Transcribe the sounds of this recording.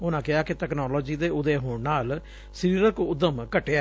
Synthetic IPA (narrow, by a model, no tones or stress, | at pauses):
ʊnãːkɪaːkeʈ̪ɛːknɔːlɔːd͡ʒiːd̪eːʊd̪eːɦoːɳnaːl | səɾiːɾəkʊd̪ːəmkəʈːe